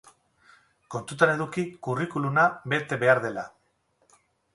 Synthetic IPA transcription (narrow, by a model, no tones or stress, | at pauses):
ko̞nt̪ut̪ane̞ðukikurikulumabe̞t̪e̞βe̞aɾðe̞la